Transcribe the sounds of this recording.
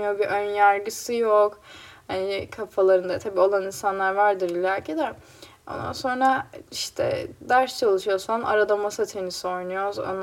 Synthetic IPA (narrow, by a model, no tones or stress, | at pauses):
jobiʔønjaɾɡɯsɯjokhanikʰafalˠaɾɯnd̪at̪ʰabiːo̞lˠaninsanlˠaɾvæɾd̪iɾilʲaːcʰed̪ɛ | o̞̰nd̪a̰nso̞nɾaiʃt̪ʰɛ̰d̪aɾst͡ʃʰalˠɯʃujo̞sana̰ɾad̪amasat̪ʰe̞nisio̞jnujo̞zo̰n